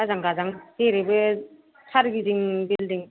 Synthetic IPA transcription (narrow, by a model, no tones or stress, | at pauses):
azaŋɡazaŋteɾebɯ | sʰaɾɡiziŋbildiŋ